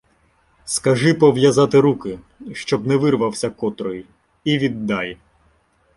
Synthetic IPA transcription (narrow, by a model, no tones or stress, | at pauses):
skɐʒɪpɔʋjɐzɑt̪ɪɾukɪ | ʃt͡ʃɔbnɛʋɪrʋɐwsʲɐkɔt̪ɾɔjʊ | iʋʲid̪ːɑj